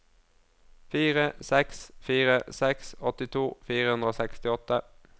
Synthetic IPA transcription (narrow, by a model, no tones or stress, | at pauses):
fiːʁəsɛksfiːʁəsɛksɔt̪ɪt̪ʰuːfiːʁəhʉnd̪ʁəoːsɛkst̪ɪɔt̪ə